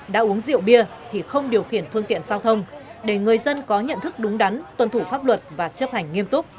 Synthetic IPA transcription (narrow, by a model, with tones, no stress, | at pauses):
ɗa̰ː˧˥ʔu˨˦əŋzḭ˧˨əwɓi˧ət̪ʰi˨˩xə˧wŋ͡mɗi˨˩əwxi˧˩ənfɨ˧əŋt̪ḭ˧˨ənzaː˧wt̪ʰə˧wŋ͡mɗe˧˩ŋɨ˨˩əjzə˧nkɔ˨˦ɲə̰˧˨nt̪ʰɨ˦˥k̚ɗʊ˨˦ŋ͡mɗa˨˦nt̪wə˨˩nt̪ʰu˧˩faː˦˥p̚lwə˨˩t̚vaː˨˩t͡ɕə˦˥p̚t̪ʰa˨˩ŋ̟ːi˧əmt̪ʊ˦˥k͡p̚